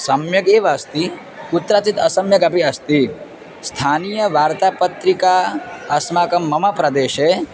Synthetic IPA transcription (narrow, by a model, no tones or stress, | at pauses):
sɐmjɐɡeːʋast̪i | ut̪ːɾaːt͡ʃit̪ɐsɐmjɐɡɐpiɐst̪i | st̪ʰaːniːjɐʋaːɾt̪aːpɐt̪ɾikaːɐsmaːkɐmːɐmɐpɾɐd̪eːʃeː